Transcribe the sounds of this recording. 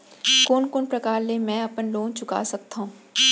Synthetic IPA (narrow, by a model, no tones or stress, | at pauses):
koːnkoːnpɾɐkaːɾlemɛ̃ːɐpənloːnt͡ʃʊka̰ːsɐk̚t̪aɦũː